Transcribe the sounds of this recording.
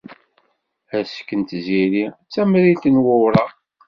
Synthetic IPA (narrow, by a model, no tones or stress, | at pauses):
æskːənt̪ziɾit͡sːæmɾit̪ənwʊwɾɑ